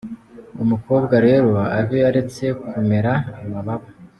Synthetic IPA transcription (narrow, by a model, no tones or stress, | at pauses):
umuko̞ːbɡaɾe̞ːɾo̞aβiaɾe̞t͡se̞kume̞ɾaːmaβaβa